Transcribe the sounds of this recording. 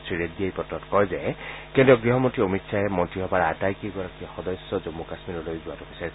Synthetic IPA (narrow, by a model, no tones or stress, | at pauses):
sʰɹiɹet̚diejpɔtːɔtkɔjzɛkɛntiɔɡɹiɦɔmotɹiomitsʰaɦɛmɔntiɦɔbaɹatajkiɡɔɹakiɔxɔdɔjsɔzomːukasmiɹɔlojzʊwatɔbisaɹi